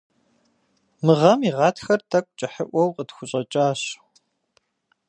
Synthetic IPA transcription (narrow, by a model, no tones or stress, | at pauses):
mɨʁɐmiːʁɑːtxɐrtʰɐkʷʼt͡ʃʼɐħəʔʷɔwqʼətxʷʊɕʼɐt͡ʃʼaːɕ